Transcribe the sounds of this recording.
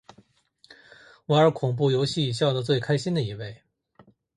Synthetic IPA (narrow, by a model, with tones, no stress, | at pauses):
we˧˥ə˞˧˥kʰʊ˨˩ŋp̬u˥˩jo˧˥ʊɕi˥˩˨ɕjɑ˥˩ʊd̪ə˩t͡swe˥˩ɪkʰa˥ɪɕi˥nd̪ə˨i˧˥we˥˩ɪ